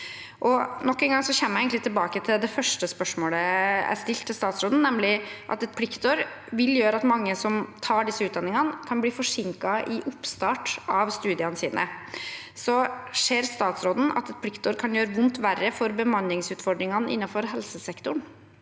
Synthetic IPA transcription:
ʔɔnɔkːɛnɡɑŋsɔçɛmːjæjɛɡənlɪt̪ʰːɪlbɑːkət̪ʰɪld̪ɛfœʂʈəspœʂmoːləæ̰st̪ɪlt̪ʰːɪlst̪ɑːt̪sɾoːd̪n̩nɛmlɪʔɑ̰t̪ɛt̪̚pʰlɪkt̪ɔɾ | ʋɪljøːɾəɑt̪mɑŋːəsɔmt̪ʰɑːɖɪsːəʉːt̪̚d̪ɑnːɪŋɑnkʰɑnbliːfɔʂɪŋkɑʔɪʔʊpst̪ɑːʈɑʋst̪ʉːd̪ɪɑnəsiːnʔə̰ | sɔʂeːɾst̪ɑːt̪sɾoːd̪n̩ɑ̰t̪ɛt̪pʰlɪkt̪ʰɔɾkʰɑnjøːɾəʋʊnt̪ʋærːəfɔɾbəmɑnlːɪŋsʉːt̪fɔɖ̪ɾɪŋɑnəʔɪ̰nːɑnfɔɾɦɛlsəsɛkt̪ʊɳ

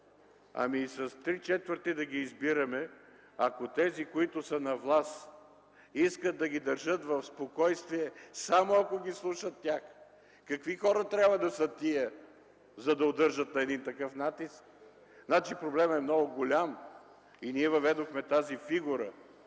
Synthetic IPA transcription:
ɐ̰misɐst̪ɾit͡ʃɛt̪vəɾt̪id̪ɐɡiːzbiɾɐmɛ | ɐkot̪ɛzikoit̪ʊsənɐvlˠas | iskət̪̚d̪ɐɡʲid̪ɐɾʒət̪vɐfspokɔjst̪viɛsamoɐkoɡʲislˠuʃət̪ːʲax | kɐkvixɔɾɐt̪ɾʲabvɐd̪ɐsət̪ijə | zɐd̪ɐod̪ɤɾʒət̪̚nɐɛd̪int̪ɐkɤfnat̪isk̚ | znat͡ʃipɾoblɛmɛmnɔɡʊɡolʲam | iniɛvɐvɛd̪oxmɛt̪azifiɡuɾə

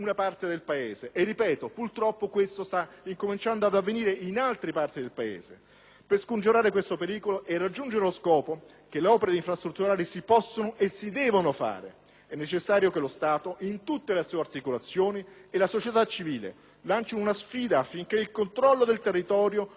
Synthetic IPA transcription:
unapart̪ed̪elpaeːzeʔːrːipɛːt̪opurt̪ɾɔpːokwest̪ost̪aiŋkomint͡ʃand̪oad̪avːeniːɾeinalt̪ɾipart̪id̪elpaḛːzḛ | perskund͡ʒuɾaːɾekwest̪opeɾiːkoloʔɛrːad͡ʒːund͡ʒeɾeloskɔːpo | kelːeɔːpeɾeiɱfɾast̪ɾut̪ːuɾaːlisipɔsːonoʔesːid̪ɛːvonofa̰ːɾḛ | ɛnːet͡ʃesːaːɾjokelost̪aːt̪oʔint̪ut̪ːeleasuːart̪ikolat̪sːjoːnielasot͡ʃet̪at͡ʃːiviːlḛ | lant͡ʃinounasfiːd̪aːfːiŋk̟eilkont̪ɾɔlːod̪elt̪erːit̪ɔːɾjo

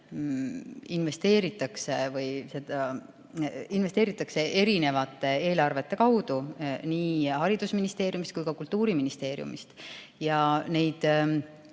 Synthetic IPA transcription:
inve̞st̪e̞ːɾit̪ːˑɑksevɤjse̞d̪ɑ | invest̪eːɾit̪ːˑɑkse̞ʔe̞ɾine̞vɑt̪ːˑee̞ːlɑrve̞t̪ːe̞kɑwd̪̥uniːhɑɾid̪̥usminist̪e̞ːɾjumist̪̚kujkɑkult̪ːuːɾiminist̪e̞ːɾjṵmḭst̪ | jɑne̞jd̪̥

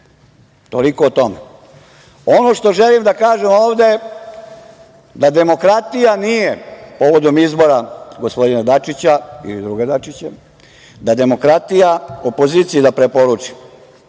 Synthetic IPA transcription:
t̪oliko̞ːt̪o̞me | o̞no̞ʃt̪o̞ʒelimd̪akaːʒemo̞ːʋd̪e̞ | d̪ad̪e̞mo̞kɾat̪ijanijepo̞ʋo̞d̪o̞mizbo̞ɾaɡo̞spo̞d̪inad̪at͡ʃit͡ɕaḭlid̪ɾuɡed̪at͡ʃit͡ɕe | d̪ad̪e̞mo̞kɾat̪ijaopo̞ziːt̪sijid̪apɾe̞po̞ɾut͡ʂi̥

